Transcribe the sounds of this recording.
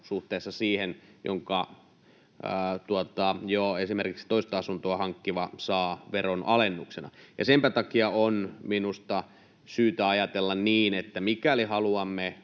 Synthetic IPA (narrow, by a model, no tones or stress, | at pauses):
suht̪eːsːɑsiːhenjo̰ŋkɑ | ət̪uot̪ɑjoesimerkiksi̥t̪oist̪ɑɑsunt̪oɑhɑŋkːiʋɑsɑːʋeronʔɑlenːuksenɑ̰jɑ̰sempæt̪ɑkiɑonminust̪ɑ | syːt̪æɑjɑt̪elːɑnniːnet̪ːæmikælihɑluɑmːe